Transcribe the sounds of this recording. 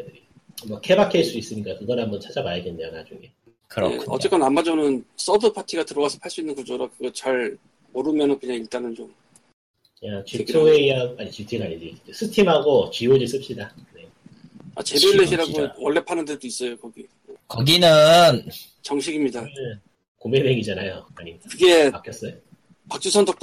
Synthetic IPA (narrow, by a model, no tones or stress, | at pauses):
mʌkʰebakʰiaɭs͈uis͈ɯɲik͈akɯɡʌnɦambʌnt͡ɕʰad͡ʑabajaɡenːejonad͡ʑuŋe | kɯ̰ḛʌ̰t͡ɕ͈e̞k͈anamːad͡ʑʌnɯns͈ʌdʰɯpʰatʰiɡatɯɾʌwasʰʌpʰaɭs͈uinːɯnkud͡ʑoɾakɯɡʌt͡ɕaɭ | oɾɯmjʌnʌkɯɲaŋiɭt͈anɯnt͡ɕom | jat͡ɕitʰoeiaaɲit͡ɕitʰɯɡaɲid͡ʑid͡ʑes͈ʰɯtʰimɦaɡot͡ɕɥiod͡ʑis͈ɯpɕ͈ida | ne | a̰t͡ɕe̞boiɭːeɕʰiɾaɡowʌɭːe̞pʰanɯndet͈ois͈ʌjokʌɡi | ekʌɡinɯn | t͡ɕʌŋɕʰiɡimɲida | komeneŋid͡ʑanajoaɲimidakɯɡe̞pak͈jʌs͈ʌjo | pak̚t͡ɕ͈usʰʌndʌk̚t͈